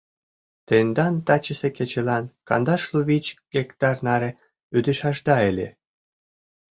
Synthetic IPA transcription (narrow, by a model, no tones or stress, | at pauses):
t̪end̪ɑnt̪ɑt͡ɕə̆seket͡ɕĕlɑnkɑ̰nd̪ɑʃluβit͡ɕɡ̥ʲekt̪ɑrnɑɾĕ | yd̪ɘ̆ʃɑʒd̪ɑelʲḛ